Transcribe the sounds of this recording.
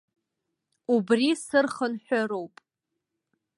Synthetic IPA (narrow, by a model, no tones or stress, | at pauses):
ubrisɨrχənħʷᶣaɾowpʼ